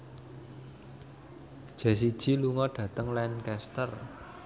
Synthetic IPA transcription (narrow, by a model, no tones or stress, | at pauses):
d̥ʒ̥ɛ̤s̬id̥ʒ̥i̤luŋɔɖ̥ä̤t̪əŋlɛnkɛst̪ər